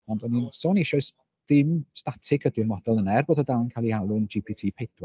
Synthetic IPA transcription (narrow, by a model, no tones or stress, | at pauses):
ɔndənsoːnɪʃɔɨs | d̥ɪmstatʰɪkʰədɪnmɔdɔlˠənɛrboːdɔdawnkʰalˠialˠʊnd͡ʒipʰitʰiːpʰejd̥wa